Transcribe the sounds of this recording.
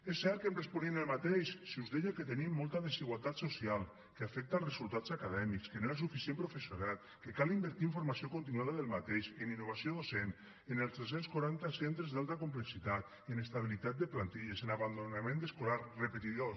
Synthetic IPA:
esːɛɾkemresponinelˠmat̪eʃsiuzðeʎoket̪enimːɔlˠt̪aðesiɣwalˠt̪at̪sosialˠ | keafɛk̚t̪alˠzrezulˠt̪att͡ssakaðɛmikskenoeɾasufisiempɾofesjunalˠ | kekalimbeɾt̪iiɱfoɾmasiokont̪̬inuwaðaðelˠmat̪eʃeninːoβ̞asioðosen | enelˠzt̪es̬enskuɾant̪asent̪ɾezðalˠt̪akumpleksit̪at̪ | enest̪aβ̞ilit̪at̪̚d̪eplant̪iʎesenaβand̪onamẽnd̪eskolaɾrepet̪iðo

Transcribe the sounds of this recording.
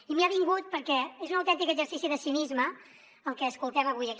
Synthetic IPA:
imiaβiŋɡut̪̚pəɾkɛezunəwt̪ɛnt̪ikəzəɾsisiðəsinizmə | əlkɛəskulˠt̪ɛməβujək

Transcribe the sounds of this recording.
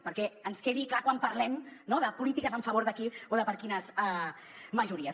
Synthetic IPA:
pəɾkɛənskeðiklakwampəɾlɛmnoðəpulit̪ikəzəɱfəβoɾðəkioðəpəɾkinəza | məʒuɾiəs

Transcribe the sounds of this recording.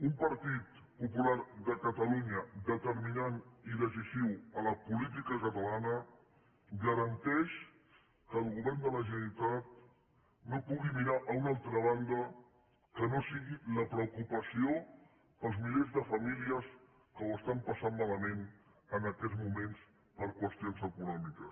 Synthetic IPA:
umpəɾt̪it̪̚ | pupulaɾðəkət̪əluɲəd̪ət̪əɾminaniðəz̬isiwələpulit̪̬ikəkət̪əlanə | ɣəɾənt̪ɛʃ | kəːlˠɣuβɛɾnd̪ələʒənəlit̪at̪̚ | nopuɣimiɾaʔəunalˠt̪ɾəβand̪ə | kənosiɣiləpɾəukupəsio | pəlˠzmilezðəfəmiliəs | kəwəst̪ampəsanmaləmen | ənəkɛd͡zmumens | pəɾkwəst̪ionzəkunɔmikəs

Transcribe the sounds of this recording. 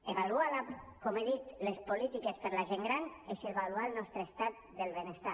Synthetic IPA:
eβalualakomeðit̪lespolit̪ikespeɾlaʒeŋɡɾaneseβalualˠnɔst̪ɾeest̪at̪̚d̪elβenest̪a

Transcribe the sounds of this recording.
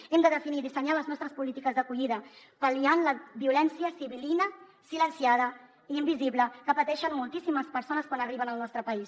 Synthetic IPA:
ɛmd̪əðəfiniðisəɲaləznɔst̪ɾəspulit̪ikəzðəkuʎiðə | palianləβiulɛnsiəsiβilinəsilənsjað̞ə | iːmbiziβləkəpət̪ɛʃənmulˠt̪isiməspəɾsonəskwanəriβənəlˠnɔst̪ɾəpɐis

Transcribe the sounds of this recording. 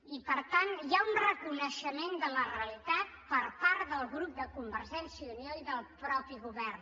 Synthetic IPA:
ipəɾt̪anjaunrəkunəʃəmend̪ələreəlit̪at̪̚pəɾpaɾt̪ðəlˠɣɾup̚d̪əkumbəɾʒɛnsiunoiðəlˠpɾɔpiɣuβɛrn

